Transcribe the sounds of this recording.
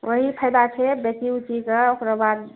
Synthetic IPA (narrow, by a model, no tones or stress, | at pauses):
woɦipʰəjd̪at͡ʃʰɛbekiut͡ʃikeokɾabad̪